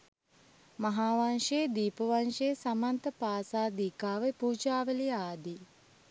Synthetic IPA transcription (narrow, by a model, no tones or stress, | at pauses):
maɦaːʋanʃeːd̪iːpəʋanʃeːsamant̪əpaːsaːd̪iːkaːʋepuːd͡ʒaːʋəliaːd̪i